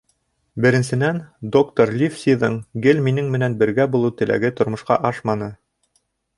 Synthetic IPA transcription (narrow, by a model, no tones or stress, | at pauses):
bɘ̆ɾɘ̆nsɘ̆nænd̪okt̪oɾlʲifsʲiðɤɴɡɘlminɘŋmɘ̆nænbɘ̆ɾɡæbulˠɤwt̪ɘ̆læ̰ɡɘt̪ŏɾmŏʃqɑ̰ʔɑʃmɑnɤ